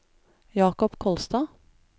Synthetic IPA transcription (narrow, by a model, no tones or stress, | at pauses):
jɑːkɔpkʰɔlst̪ɑː